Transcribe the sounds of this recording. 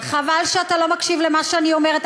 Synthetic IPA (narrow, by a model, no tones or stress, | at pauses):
χavalʃeatalo̞makʃivlemaʃeanio̞meʁet̪